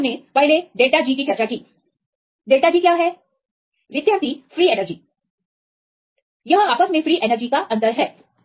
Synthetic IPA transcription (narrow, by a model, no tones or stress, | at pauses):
mẽpɐɦleɖeːʈad͡ʒiːkit͡ʃɐɾt͡ʃakiː | ɖeːʈad͡ʒiːkjaːɦɛː | ʋɪd̪jaːɾt̪ifɾiːenəɾd͡ʒiː | jɐɦə̃aːpəsmẽfɾiːʔenəɾd͡ʒikaʔɐ̃nd̪əɾɦɛː